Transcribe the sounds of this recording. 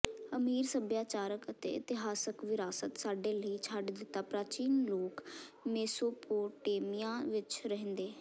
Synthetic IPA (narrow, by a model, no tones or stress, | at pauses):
əmiːɾsəbjaːt͡ʃaːɾəkət̪ḛːɪt̪ɪɦaːsəkʋɪɾaːsət̪saːɖeːləiːt͡ʃʰaːɖd̪ɪt̪ːaːpɾaːt͡ʃiːnloːkmeːsoːpoːʈeːmijãːʋɪt͡ʃɾəɦə̃nd̪eː